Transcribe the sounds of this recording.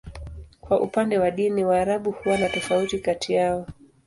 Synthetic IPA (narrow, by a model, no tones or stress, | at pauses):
kwaʔupandɛwaɗiniwaːɾaɓuhuwanatɔfautikatiaɔ